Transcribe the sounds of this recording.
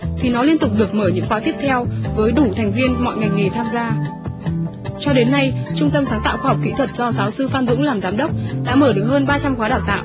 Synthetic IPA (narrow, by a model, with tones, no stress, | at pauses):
t̪ʰi˨˩nɔ˨˦li˧ənt̪ʊ˨˩k͡p̚ɗɨ˨˩ək̚məː˧˩ɲɨ̰˧˥ŋxwaː˨˦t̪i˦˥əp̚t̪ʰɛ˧wvəː˨˦jɗu˧˩t̪ʰɛ˨˩jŋ̟vi˧ənmɔ̰˧˨jŋa˨˩jŋ̟ŋe˨˩t̪ʰaː˧mzaː˧ | t͡ɕɔ˧ɗe˨˦nːa˧jt͡ɕʊ˧ŋ͡mt̪ə˧msaː˨˦ŋt̪a̰ː˧˨wxwaː˧ɦɔ˨˩k͡p̚kḭ˧˥t̪ʰwə˨˩t̚zɔ˧saː˨˦wsɨ˧faː˧nzʊ̰˧˥ŋlaː˨˩mzaː˨˦mɗə˦˥k͡p̚ɗa̰ː˧˥məː˧˩ɗɨ˨˩ək̚həː˧nɓaː˧t͡ɕa˧mxwaː˨˦ɗaː˨˩wt̪a̰ː˧˨ʔ